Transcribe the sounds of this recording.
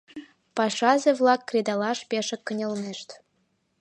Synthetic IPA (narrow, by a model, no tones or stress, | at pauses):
pɑʃɑzĕvlˠɑkːrʲed̪ɑlˠɑʃpʲeʃɘ̆kːɤ̆nʲɤ̆lmeʃt̪